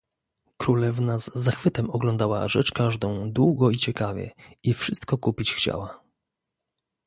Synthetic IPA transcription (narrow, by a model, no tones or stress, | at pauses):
kɾulɛvnazːaxfɘt̪ɛmɔɡlɔnd̪awa̰ʐɛt͡ʂkaʐd̪ɔ̃w̃d̪wuɡɔit͡ɕɛkavʲjɛ̰ifʂɘst̪kɔkupʲit͡ɕxt͡ɕa̰wa